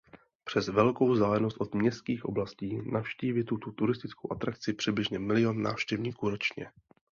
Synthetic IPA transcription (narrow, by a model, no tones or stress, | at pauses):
pr̝̥ɛzvɛlko̞wzd̪aːlɛnost̪ʔo̞d̪mɲɛst̪kiːxʔo̞blasciːnafʃciːvɪt̪ut̪ot̪uɾɪst̪ɪt͡skowʔat̪ɾakt͡sɪpr̥ɪdblɪʒɲɛmɪlɪo̞nːa̰ːfʃcɛvɲiːkuːɾo̞t͡ʃɲɛ̰